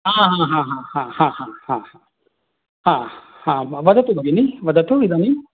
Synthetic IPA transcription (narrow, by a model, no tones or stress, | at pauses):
ɦaːɦãːɦãɦãːhãːhãhãːhãːhã | hãː | hãʋɐd̪ɐt̪ubʱɐɡiniʋɐd̪ɐt̪uid̪ani